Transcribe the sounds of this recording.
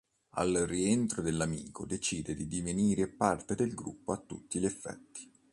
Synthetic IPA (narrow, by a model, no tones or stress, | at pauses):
a̰lrient̪ɾod̪elːamiːkod̪et͡ʃiːd̪ed̪id̪iveniːɾepart̪ed̪elɡɾṵpːoat̪ːṵt̪ːiʎefːɛ̰t̪ːi̥